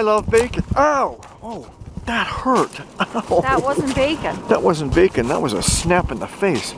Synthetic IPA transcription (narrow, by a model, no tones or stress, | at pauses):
aɪlʌvbeɪkɨ̃noʊ | oʊ | ðɨt̚hɜ˞tðət̚wʌz̃n̩b̥eɪkɨ̃nðət̚wʌz̃n̩b̥eɪkɨ̃nðə̰ʔ̚wʌzɨ̰snæpɨ̃nðəfeɪs